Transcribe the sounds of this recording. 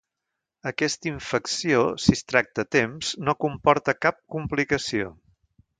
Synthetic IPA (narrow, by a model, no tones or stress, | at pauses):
əkɛst̪əiɱfəksiosist̪ɾak̚t̪ət̪emz̥nokumpɔɾt̪əkap̚kumplikəsio̰